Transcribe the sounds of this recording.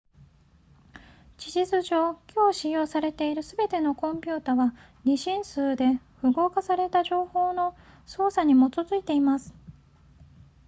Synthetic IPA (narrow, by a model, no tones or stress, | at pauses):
t͡ɕiʑizɨʑo̞ːkʲʰo̞ːɕijo̞ːsaɾe̞t̪e̞iɾɯ̟sɨbe̞t̪e̞no̞kõ̞mpʲɨ̟ːt̪aβa | ɲʲiɕĩɰ̃sɨːd̪e̞ | ɸɯ̟ɡo̞ːkasaɾe̞t̪aʑo̞ːho̞ːno̞so̞ːsaɲ̟imo̞tozɨit̪e̞imasɨ̥